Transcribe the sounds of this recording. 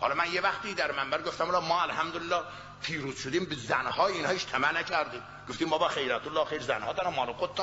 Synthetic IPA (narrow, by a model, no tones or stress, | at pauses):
hɒ̰lɒmænjevæxt̪iːd̪æɾmæmbæɾɡoft̪æmlɑmɒːælhæmd̪olelːɒː | pʰiːɾuːz̥ʃod̪iːmbezænhɒːjiːnɒːiʃt̪ʰæmænæcʰæɾd̪iːm | ɡ̥oft̪iːmbɒbɒxejɾæt̪ʰolːɒːχxejɾzænhɒːd̪ɒɾɑmːɒːloqot̪̚d̪